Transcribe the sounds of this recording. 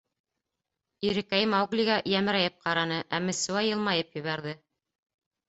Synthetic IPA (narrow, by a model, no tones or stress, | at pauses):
iɾɘ̆kæjɘmɑwɡlʲiɡæʔjæmɘ̆ɾæjɘp̚qɑɾɑnɤʔæmɘ̆suwæjɤ̆lˠmɑjɤpjɵ̆βæɾðɘ